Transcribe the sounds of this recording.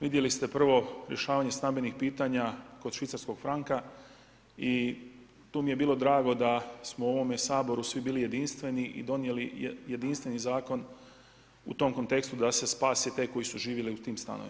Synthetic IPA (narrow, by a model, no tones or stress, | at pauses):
ʋid̪je̞list̪e̞pr̩ʋo̞ɾjʔe̞ʃaːʋaɲe̞st̪ambe̞nixpiːt̪aɲakod̪ʃʋit̪saɾsko̞ɡfɾaŋka | i | t̪uːmije̞biːlo̞d̪ɾaːɡo̞d̪asmouo̞ʋo̞mesaːbo̞ɾusʋibiːlije̞d̪inst̪ʋe̞niʔḭd̪o̞nije̞lijje̞d̪inst̪ʋe̞nizaːko̞n | ṵt̪o̞ːmko̞nt̪e̞kst̪ud̪ase̞spaːset̪e̞ːko̞jisuʒiːʋjeliut̪iːmst̪a̰no̰ʋḭm